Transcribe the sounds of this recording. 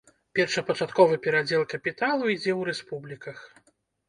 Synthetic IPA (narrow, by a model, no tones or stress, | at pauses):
pʲɛrʂɐpɐt͡ʂat̪kɔvɨpʲɛɾad͡zʲɛlˠkɐpʲit̪alˠuid͡zʲɛwɾɛspublʲikɐx